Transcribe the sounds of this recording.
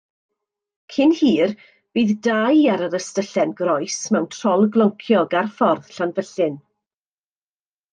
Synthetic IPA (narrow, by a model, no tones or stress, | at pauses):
kʰɪnhiːr | b̥iːðdajaɾəɾəstəɬɛnɡrɔɨsmɛwntʰr̥ɔlˠɡlˠɔŋkʰjɔɡarfɔrð̥ɬanvəɬɪn